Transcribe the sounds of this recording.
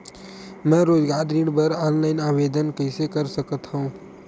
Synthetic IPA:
mɛ̃ːɾoːd͡ʒɡaːɾɾiɽbəɾaːnlaːɪnaːʋeːd̪ənkəɪsekəɾsəkət̪ɦəũː

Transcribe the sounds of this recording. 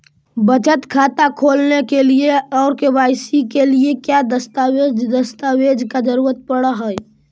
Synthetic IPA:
bət͡ʃət̪kʰat̪akʰoːlnekelieɔːɾkebaɪsikeliekjad̪əst̪awed͡ʒd̪əst̪awed͡ʒkad͡ʒəɾuːɾət̪̚pəɽəɦəj

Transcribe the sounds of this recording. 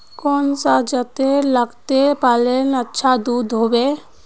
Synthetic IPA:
kɔːnsad͡ʒət̪eləɡt̪epaːlenətːʃʰad̪uːd̪ɦoːbeː

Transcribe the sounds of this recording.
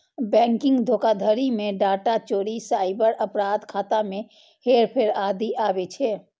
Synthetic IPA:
bɛ̃ŋkɪ̃ŋɡd̪ʱokad̪ʱəɾimẽɖaːʈat͡ʃoːɾisaɪbəɾəpɾad̪kʰat̪ame | heɾpʰeɾad̪ʱiʔabɛt͡ʃʰɛ

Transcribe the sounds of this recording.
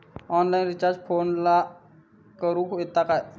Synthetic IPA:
ɔnlainɾit͡ɕaɾd͡ʑfʰoːnla | kəɾuːket̪ːakaj

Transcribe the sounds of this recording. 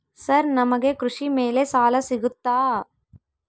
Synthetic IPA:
sɐɾnɐmɐɡekɾuʂimeːlesaːlɐsiɡut̪ːaː

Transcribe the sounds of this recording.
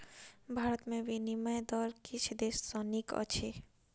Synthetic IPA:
bʱaːɾət̪mẽbiniməjd̪ɔːɾkit͡ʃʰd̪eːsːɔ̃nikə̰t͡ʃʰe

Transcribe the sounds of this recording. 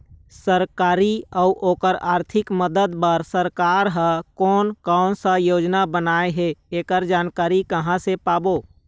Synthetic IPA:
səɾkaːɾiəʊʔoːkəɾaːɾt̪ʰɪkməd̪əd̪pəɾsəɾkaːɾɦəkɔːnkansə̃joːd͡ʒnabənaːeɦeeːkəɾd͡ʒaːnkaːɾikəɦãsepaːboː

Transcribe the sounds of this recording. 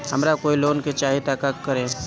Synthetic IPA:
ɦəmɾakoːiloːnket͡ʃaɦit̪akakːəɾẽ

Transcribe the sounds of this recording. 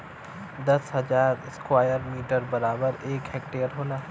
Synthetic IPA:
d̪ɐsɦɐd͡ʒaːɾɪskwaːjəɾmiːʈəɾbɐɾaːbəɾeːkɦɛːk̚ʈeːəɾɦoːnaː

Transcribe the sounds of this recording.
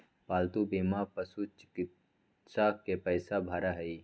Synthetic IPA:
paːlt̪ubiːmapəsut͡ʃɪ̥kɪt̪ | sakepəɪsabʱɐɾaɦɛi

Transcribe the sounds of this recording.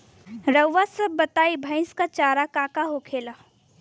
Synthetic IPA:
ɾəwʋasɐbːɐt̪aːibʱə̃ɪ̃skat͡ʃaːɾakaːkaɦokʰeːlaː

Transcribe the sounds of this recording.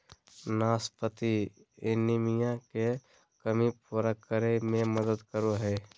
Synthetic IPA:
naːspət̪i | ɪnimijãke | kəmipuɾakəɾemẽməd̪əd̪kəɾoɦɛː

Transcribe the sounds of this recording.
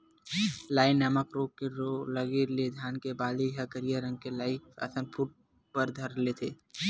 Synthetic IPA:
laːɪnːəməkɾoːkeɾoləɡiɾled̪ʱjaːnkebaːliɦəkəɾijaɾə̃ŋɡ̚kelaːɪkɐ̰sə̃npʰuʈ̚ | pəɾd̪ʱəɾlet̪ʰeː

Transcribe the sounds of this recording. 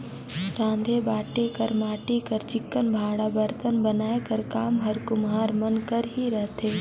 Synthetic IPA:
ɾãːnd̪ʱebaːʈekɐɾmaːʈekəɾt͡ʃɪkːənbʱaːɽabəɾt̪ənbənaːekɐɾkaːmɦəɾkʊmɦaːɾmɐnkəɾɦiɾɐɦt̪eː

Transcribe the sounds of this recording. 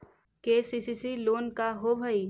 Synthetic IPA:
keːsiːsisiloːnkaɦobʱəi

